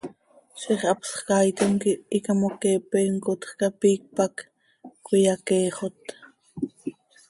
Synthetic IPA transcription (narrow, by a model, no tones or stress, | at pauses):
ʃiχɑpsχkɑjt̪oŋkiikɑmokɛːpɛːŋkot̪χkɑpiːk̚pak | kʷwijɑkeːχot̪